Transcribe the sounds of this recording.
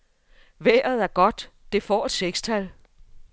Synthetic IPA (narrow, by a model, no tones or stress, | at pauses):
ʋḛɐ̰ð̞̩ˠæɐɡ̥ɒ̽d̥d̥e̝fɒ̰ːe̝d̥seɡ̥st͡sʰæl